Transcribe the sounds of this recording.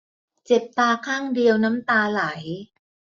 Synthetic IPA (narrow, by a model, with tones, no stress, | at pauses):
t͡ɕe˨˩p̚t̪aː˧kʰaː˥˩ŋdi˧əwna˦˥mt̪aː˧la˩˦j